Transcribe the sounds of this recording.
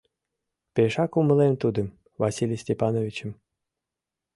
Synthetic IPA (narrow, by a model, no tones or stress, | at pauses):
pʲeʃɑkumə̆lˠemt̪ud̪ɤ̆ | vɑsʲilʲjəsʲtʲepɑnovʲit͡ɕə̆m